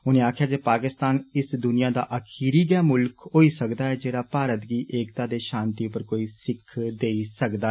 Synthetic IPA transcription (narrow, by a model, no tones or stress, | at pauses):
ʊnẽːaːkʰjaːd͡ʒeːpaːkɪst̪aːnɪsd̪ʊnɪjãːd̪a̰ːʔəkʰiːɾiːɡɛːmʊlkɦoːiːsəkd̪aːɦɛːd͡ʒeːɾaːpaːɾət̪ɡiːʔeːkt̪ãːd̪eːʃãːnt̪iːʊpəɾkoːiːsɪkʰːd̪eːisəkd̪aː